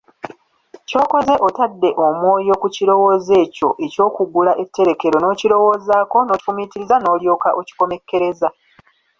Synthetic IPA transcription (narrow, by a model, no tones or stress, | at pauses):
co̞ːko̞ze̞ʔo̞tadːe̞ʔomwo̞ːjo̞kuciɾo̞wo̞ːze̞ːco̞ʔe̞co̞ːkuɡulaʔe̞tːe̞ɾe̞ke̞ɾo̞no̞ːcilo̞wo̞ːzaːko̞noumitiɾizano̞ːljo̞ːkaʔoci̥ko̞me̞kːe̞ɾe̞za